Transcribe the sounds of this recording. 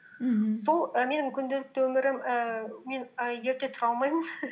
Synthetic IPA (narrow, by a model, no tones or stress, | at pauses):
so̞lˠəme̞nɪŋkʲʰʏnd̪elɪk̚t̪wɵmɪɾɪməme̞nəje̞ɾt̪e̞t̪ʰʊɾɑlˠmɑjmən